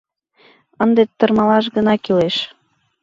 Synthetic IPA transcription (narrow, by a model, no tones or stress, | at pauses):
ənd̪et̪ːɤ̆rmɑlɑʃ̬ɣə̆nɑkileʃ